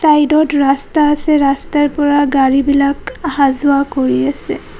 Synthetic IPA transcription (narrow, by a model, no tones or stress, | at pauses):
sajdɔtɹastaːsɛɹastaɹpɔɹaɡaɹibilakhazʊakoɹiasɛ̰